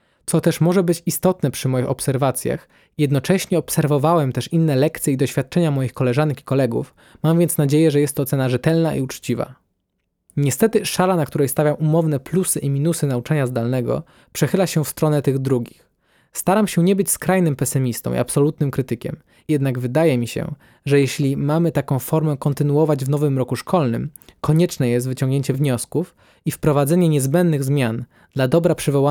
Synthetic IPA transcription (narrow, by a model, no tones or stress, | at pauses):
t̪sɔt̪ɛʂmɔʐɛbɘt͡ɕist̪ɔt̪nɛpʂɘmɔjixɔpsɛɾvat̪sʲja̰x | jɛd̪nɔt͡ʂɛɕɲɛɔpsɛɾvɔvawɛmt̪ɛʂinːɛlɛkt̪sʲjɛid̪ɔɕfʲjat̪̚t͡ʂɛɲamɔjixkɔlɛʐanɛkʲi̥kɔlɛɡṵf | mamvʲjɛnt̪snad͡ʑejɛʐɛjɛst̪ːɔt̪sɛnaʐɛt̪ɛlnaʔḭut͡ʂt͡ɕiva̰ | ɲɛst̪ɛt̪ɘʂalanakt̪uɾɛjst̪avʲjamʔumɔvn̪ɛplusɘʔimʲinusɘnaut͡ʂaɲazd̪alnɛɡɔ̰ | pʂɛxɘlaɕɛfst̪ɾɔnɛt̪ɘɣd̪ɾuɡʲix | st̪aɾamɕɛɲɛbɘt͡ɕskɾajnɘmpɛsɘmʲist̪ɔ̰̃w̃ḭapsɔlut̪nɘmkɾɘt̪ɘkʲɛ̰m | jɛd̪naɡvɘd̪ajɛmʲiɕɛ̰ | ʐɛjɛɕlʲimamɘt̪akɔ̃w̃fɔɾmɛkɔnt̪ɘnuɔvad͡ʑvnɔvɘmɾɔkuʂkʰɔlnɘmkɔɲɛt͡ʂnɛjɛst̪vɘt͡ɕɔŋɡɲeɲt͡ɕɛvɲɔskuf | ifpɾɔvad̪zɛɲɛɲɛzbɛnd̪nːɘɣzmʲjan | d̪̥lad̪ɔbɾapʂɘvɔwa